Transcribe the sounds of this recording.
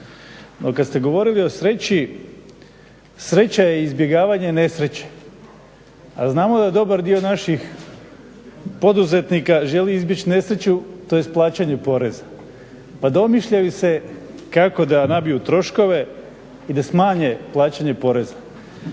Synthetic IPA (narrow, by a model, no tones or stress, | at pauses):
nʔokad̪st̪e̞ɡo̞ʋo̞ɾilio̞sɾe̞t͡ɕi | sɾe̞t͡ɕajeizbje̞ɡaːʋaɲe̞ne̞sɾe̞t͡ɕe̥ | a̰znaːmod̪ad̪o̞baɾd̪io̞naʃix | po̞d̪uze̞t̪nikaʒe̞liizbjet͡ɕine̞sɾet͡ɕut̪o̞jest̪̚plˠaːt͡ɕaɲe̞po̞ɾe̞za | pad̪o̞miʃʎajise̞ | kako̞d̪anabijut̪ɾo̞ʃko̞ʋe̞ | id̪asmaːɲe̞plˠaːt͡ɕaɲe̞po̞ɾe̞za